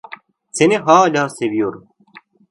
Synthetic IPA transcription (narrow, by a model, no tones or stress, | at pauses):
t͡sʰeneɦaːlʲaːseʋijoɾ